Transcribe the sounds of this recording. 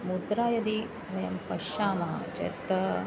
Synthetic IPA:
mud̪ɾaːjɐd̪i | ʋɐjɐmpɐʃaːmaːd͡ʒɐ̰ɾt̪ːɐ

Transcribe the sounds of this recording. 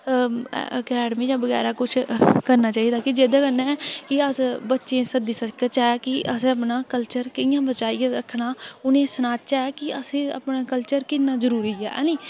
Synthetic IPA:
əkɛːɖmĩːjãːbəɡɛ̰ːɾaːkʊt͡ʃʰkəɾnaːt͡ʃaːid̪aːkɪd͡ʒeːd̪aːkəɾnaːɛːkɪəsbətːʃẽːsəd̪iːsəkət͡ʃaːɛkɪʔəsẽəpnaːkəlt͡ʃəɾkəɪ̃jãːbət͡ʃaːijãːɾəkʰːnaːʊnẽːsənaːt͡ʃaːɛːkɪəsẽːə̰pnaːkəlt͡ʃəɾkɪnːãːzəɾuːɾiːɛ̰ːnĩː

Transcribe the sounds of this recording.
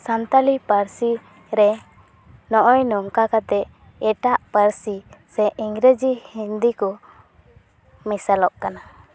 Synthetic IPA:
sant̪alipəɾsi | ɾɛ | nɔʔɔjnɔŋkakat̪ɛ | ɛʈaʔpəɾsisɛʔiŋɡɾəd͡ʒihind̪ikɔ | misalɔʔkana

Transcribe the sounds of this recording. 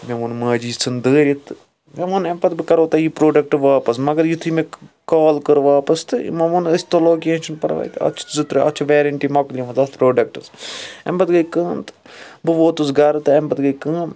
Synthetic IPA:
mʲemunmɐːd͡ʒiːt͡sɨnd̪əːɾʲit̪ɨ | mʲemunɐmpɐt̪̚bɨkɐɾoːt̪ɐipɾoːɖɐk̚ʈɨʋaːpɐsmɐɡɐɾjit̪ʰimekaːlkəɾʋaːpɐst̪ɨḭmɐmunɐsʲt̪oloːkeːʃɐnpɐɽʋa̰ːjt̪ɐ̰t͡ʃ̪ʰzɨt̪ɾɐɐ̰t͡ʃʰuʋeːɾɐɳʈimɐklʲimɐzɐspɾoːɖɐk̚ʈɨsɐ̰mbɐt̪ɡɐjkə̃ːnt̪ɨ̥ | bɨʋoːt̪usɡɐɾɨt̪ɨɐmbɐt̪ɡɐjkəːm

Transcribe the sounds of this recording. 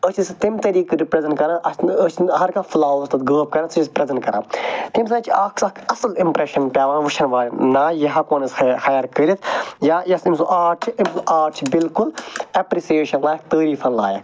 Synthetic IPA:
ət͡ʃʰist̪imt̪ɐɾiːkɨɾipɾɐzɐnkɐɾãːʔɐsət͡ʃʰɦɐɾkaflaːst̪ɐt̪ɡəːb̚kɐɾɐt̪sɨt͡ʃʰispɾɐzɐnkɐɾã̰ːt̪ims̬ɐt͡ʃʰaːkʰsɐkʰɐsɐlimpɾeʃɐnpʲjaːʋãːnʋuʃʰɐnʋaːlʲinaːjɐɦaːkoːnɐsxɐjɐɾkəɾit̪ʰjaːjɐsimsuʔaːɾʈʰimsuʔaːɾʈʰbilkulɐpɾisijeːʃɐnlaːjɐkt̪əːɾiːfɐnlaːjɐk

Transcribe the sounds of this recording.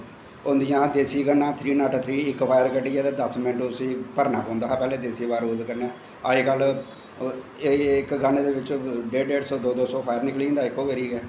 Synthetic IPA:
ʊ̃nd̪ijãːd̪eːsiːɡənːãːt̪ʰɾiːnaːʈt̪ʰɾiːɪkpʰaːjəɾkəʈiːaːd̪eːd̪əsmɪnəʈʊsĩːpəɾnãːpɔːnd̪aːɦɛːpɛːleːd̪eːsiːbaːɾoːzkəɾnɛː | aːiːkəl | ɪkɡəneːd̪eːʋɪt͡ʃɖeːɖeːɖsɔːd̪oːd̪oːsɔ̃ːpʰaːjəɾnɪklĩːnd̪aːɪkːoːʋeɾiːɡɛː

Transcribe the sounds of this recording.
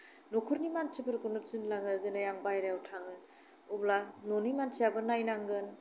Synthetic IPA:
nokʰuɾnimansʰibɯɾɡunɯt͡ʃinlaŋɯzɯnajaŋbajɾawtʰaŋɯ | ublanonimansʰijabɯnajnaŋɡɯn

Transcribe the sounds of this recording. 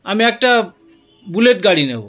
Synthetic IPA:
amiɛk̚ʈa | buleʈɡaɽinḛbo

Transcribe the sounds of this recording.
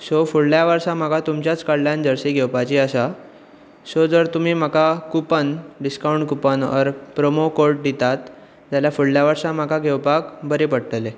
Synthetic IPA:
sofuɽljaʋəɾsãm̤akat̪umt͡ɕjat͡skəɽljand͡ʑəɾsiɡʱewpat͡ɕiːəsa | sod͡zəɾt̪um̤iːm̤akakupənɖiskawɳʈkupənə̰ɾpɾomokoɾʈ̚d̪it̪at̪ | d͡zaljafuɽljaʋəɾsãm̤akaɡʱewpakbʱəɾepəɽʈ̪əle

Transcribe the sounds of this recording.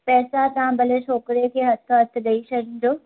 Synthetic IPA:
pɛːsat̪ɐʋãbɐleʃɔːkɾekʰeːɦɐt̪ʰɦɐt̪ʰɠɐiʃɐɽ̃d͡ʑoː

